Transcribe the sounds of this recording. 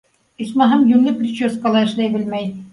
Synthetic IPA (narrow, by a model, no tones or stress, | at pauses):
ismɑɦɑmjʉnlɘprʲit͡ɕeskɑlˠɑɘ̆ʃlæjbɘ̆lmæj